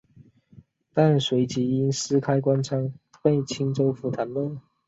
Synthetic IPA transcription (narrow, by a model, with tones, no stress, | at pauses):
t̪a˥˨nswe˨˧˥ɪt͡ɕi˨˥i˧˥nsɹ̩˥kʰa˥ɪkwa˦nt͡sʰa˥ŋpe˥˩ɪt͡ɕʰi˥ŋt͡so˥ʊfu˧˥t̪ʰa˨˧˥nlə˥˨